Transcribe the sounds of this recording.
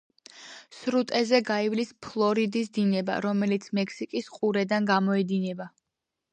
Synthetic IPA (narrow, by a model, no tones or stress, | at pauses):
sɾut̪ʼɛzɛɡaivlispʰlˠɔɾid̪isd̪inɛba̰ɾɔmɛlit̪sʰmɛksikʼisqʼuɾɛd̪anɡamɔɛd̪inɛba